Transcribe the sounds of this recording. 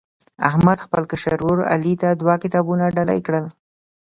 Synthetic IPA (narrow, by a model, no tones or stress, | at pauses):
a̰hmad̪xpəlkaʃaɾuɾa̰lit̪ad̪wɑkɪt̪ɑbunaɖala̰jkɽəl